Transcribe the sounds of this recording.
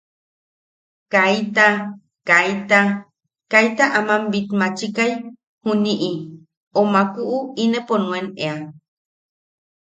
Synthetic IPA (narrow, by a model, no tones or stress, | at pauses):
kajt̪a | kajt̪a | kajt̪aʔamambit̪mat͡ʃikaj | huniʔi | omakuʔuineponũenea